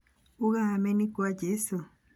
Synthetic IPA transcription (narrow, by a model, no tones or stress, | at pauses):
uɣamenikwaɟesu